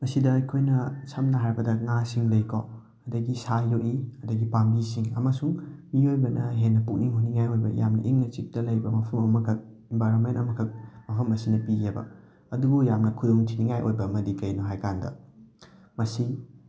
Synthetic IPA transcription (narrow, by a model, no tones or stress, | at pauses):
mɐsidɐːjkʰojnɐsʰɐmnɐɦaɾbɐdɐŋasiŋlɐjkʰo̰ | ɐdɐɡisajoʔiɐdɐɡipambisiŋɐmɐsuŋmiojbɐnɐɦenːɐpuk̚niŋhoniŋajojbɐjamnɐ̰ʔiŋnɐt͡ʃik̚dɐlɐjbɐmɐpʰɐmɐmɐmɐkʰɐk̚ | embajɾonmentɐmɐkʰɐk̚mɐpʰɐmɐsinɐpiɡebɐ̰ | ɐduɡojamnɐkʰudoŋtʰiniŋajʔojbɐmɐdikɐjnoɦajkandɐ̰ | mɐsi